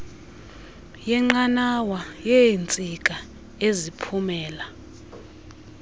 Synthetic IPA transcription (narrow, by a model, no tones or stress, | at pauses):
jɛŋ͡ǃanawajɛnt͡sʼik̬ʼa | ezipʰumɛːla